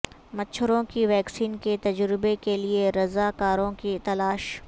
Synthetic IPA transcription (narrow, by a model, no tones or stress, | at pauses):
mɐtːʃʰʊɾõkiʋɛːksiːnket̪ɐd͡ʒɾɪbekelieɾɐzaːkaːɾõkit̪ɐlaːʃ